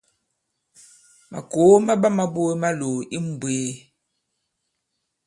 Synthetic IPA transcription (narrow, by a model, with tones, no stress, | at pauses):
ma̰˨ko˨˦ma˦ba˦ma˦bo˦e˦ma˦lo˨i˦m̩˨bweː˨˦